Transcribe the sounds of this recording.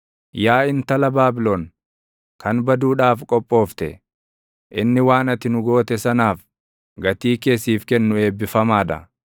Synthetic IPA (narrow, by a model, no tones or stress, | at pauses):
jaːɪnt̪ɐlɐbaːbɪloːn | kɐnbɐd̪uːᶑaːfkʼɔpʼːo̞ːft̪ɛ̰ | ʔɪnːɪwaːnɐt̪ɪnʊɡo̞ːt̪ɛsɐnaːf | ɡɐt̪iːke̞ːsːiːfkɛnːʊe̞ːbːɪfɐmaːd̪ɐ̰